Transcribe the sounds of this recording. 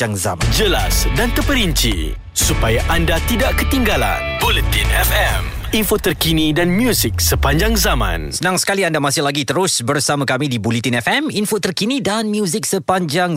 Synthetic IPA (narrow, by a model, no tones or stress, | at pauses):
aŋza̰mad͡ʒəlasdant̪əpəɾiɲt͡ʃḭ | supajaʔandat̪idaʔkət̪iŋɡala̰nbolit̪inɛfɛm | infot̪ərkinidanmjusik̚səpaɲd͡ʒaŋzamã̰nsənãŋsə̥kaliandamasɪhlaɡit̪əɾʊsbərsamãkamĩdibulit̪inɛfɛminfot̪ərkinĩdanmjuzɪk̚səpaɲd͡ʒaŋ